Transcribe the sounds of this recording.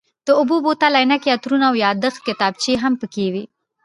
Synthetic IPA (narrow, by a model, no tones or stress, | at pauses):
d̪̥əʊbobot̪alajnakeat̪ɾunawjɑd̪əxkɪt̪ɑb̚t͡ʃeɦampəkewi